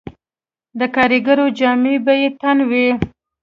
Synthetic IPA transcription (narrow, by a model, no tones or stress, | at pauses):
d̪əkɑɾiɡaɾod͡ʒɑmebajet̪anwi